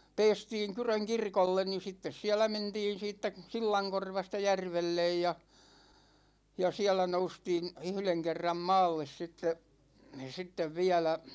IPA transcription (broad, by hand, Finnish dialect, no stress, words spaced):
peːstiːŋ kyrøŋ kirkolːen ni sitːes siælæ mentiːn̞ siːtːæ silːɑŋkorʋɑstɑ jærʋelːej jɑ jɑ siælæ noustiːn̞ yhleŋ kerːɑm mɑːlːes sitːe sitːeʋ ʋiælæ